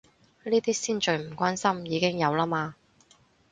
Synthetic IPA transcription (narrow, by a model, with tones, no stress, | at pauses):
niː˥t̪iː˥siː˥nt͡ʃɵ˨˧ɥm̩˨˩kʷwaː˥nsɐ˥mjiː˨˧kɪ˥ŋjɐ˨˧wlaː˥maː˧